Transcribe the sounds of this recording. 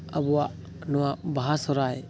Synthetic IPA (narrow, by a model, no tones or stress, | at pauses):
abuwaʔ | nuwabaɦasɔɾaj